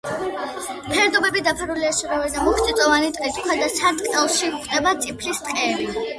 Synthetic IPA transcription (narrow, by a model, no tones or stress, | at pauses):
pʰɛɾd̪ɔbɛbid̪apʰaɾuliasuɾavɛd̪amɔχt̪ʼit̪ʼɔvanit̪ʼit̪ʰʼkʰwɛd̪asad̪kʼɛlˠʃiχʰd̪ɛbat̪sʼipʰlist̪ʼqʼɛːba